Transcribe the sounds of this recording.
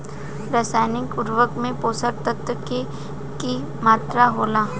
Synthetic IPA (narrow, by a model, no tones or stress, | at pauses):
ɾəsaːjnɪkʊɾʋəkmẽpoːsəɾt̪ət̪wəke | ki | maːt̪ɾaɦoːlaː